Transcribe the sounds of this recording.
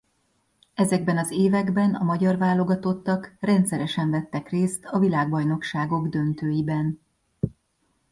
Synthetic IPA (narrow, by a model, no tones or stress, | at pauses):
ɛzɛɡbɛnɒzeːvɛɡbɛnɒmɒɟɒrvaːlo̞ɡɒt̪o̞t̪ːɒkrɛnt̪sɛɾɛʃɛɱvɛt̪ːɛkreːst̪ɒvilaːɡ̚bɒjno̞kʃaːɡo̞ɡd̪ø̞nt̪øːjibɛn